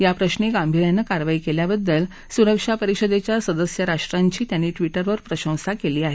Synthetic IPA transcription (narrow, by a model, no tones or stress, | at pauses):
japɾəɕɳeɡambʱiɾjanːəkaɾʋaikeljabəd̪ːəl | suɾəkʂapəɾiʂəd̪et͡ɕjasəd̪əsjəɾaʂʈɾaɲt͡ɕiːt̪janːiːʈʋiʈəɾʋəɾpɾəɕə̃w̃sakeliːaɦe